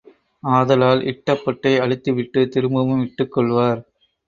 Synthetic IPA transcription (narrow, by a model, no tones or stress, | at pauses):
aːðɐlaːlʔɪ̰ʈːɐpːɔʈːɐɪɐɻɪt̪ːɯʋɪʈːɯt̪ɪɾɯmbɐmɯmɪʈːɯkːɔɭʋaːɾ